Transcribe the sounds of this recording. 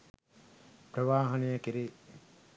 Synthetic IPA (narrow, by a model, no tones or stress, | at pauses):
pɾɐʋaːɦɐnejɐkiɾe